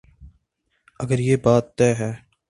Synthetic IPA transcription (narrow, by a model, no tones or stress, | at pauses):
əɡəɾjeːbaːt̪ːɛːɦɛː